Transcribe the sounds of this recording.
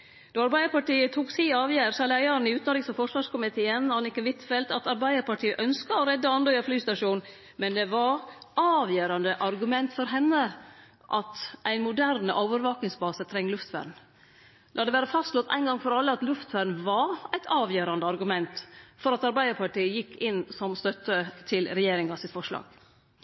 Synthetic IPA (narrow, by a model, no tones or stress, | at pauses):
d̪̥ɔɑɾbæɪəɾpɑʈiːət̪ʰuːksiːɑːʋjæːɾsɑlæɪɑɾnɪʉːt̪nɾɪːsɔfɔʂʋɑːʂkʊmɪt̪ʰeːənɑnɪkːəʋɪt̪fɛlt̪ɑt̪ɑɾbæɪd̪əɾpɑʈʰiːəʔœnskəɔɾɛd̪ːəɑnd̪əjɑflyːst̪ɑʂuːn | mɛnd̪ɛʋɑɾɑːʋjøːɾɑnd̪əʔɑɾɡʉmɛnt̪fɔɾɦɛnːə | ʔɑt̪ʔæɪnmʊd̪æɾnəʔoːʋəɾʋɑːknɪŋsbɑːsət̪ʰɾɛŋːlʉft̪fæ̰ːɾn̩ | d̪ɑːɑd̪ɛʋæːɾəfɑst̪slɔt̪ʰːæ̰ɪnɡɑŋfɔɾɑlːəɑt̪lʉft̪ʋæːɾn̩ʋɑɾæɪt̪ʰɑːʋjøːɾɑnd̪əɑɾɡʉmɛnt̪fɔɾɑt̪ɑɾbæɪəɾpʰɑʈiːəjɪkːɪnsɔmst̪œt̪ːət̪ʰɪlɾɛjeːɾɪŋɑsɪt̪fɔʂlɑ̰ːɡ̥